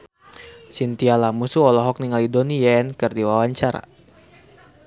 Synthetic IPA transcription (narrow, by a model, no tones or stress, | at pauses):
sint̪ialamusuɔlɔɦɔk̚niŋalidonijaɛnkɨrdiwawaɲt͡ʃaɾa̰